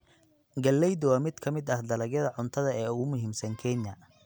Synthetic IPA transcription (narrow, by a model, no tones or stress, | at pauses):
ɡɐlːɛjd̪wɑːmɪd̪kʰɐmɪd̪ɐhd̪ɐlɐɣjɐðɐʕʊnt̪ʰɐðɐɛːʊɣʊmʊɦiːmsɐŋkʰɛnjɐ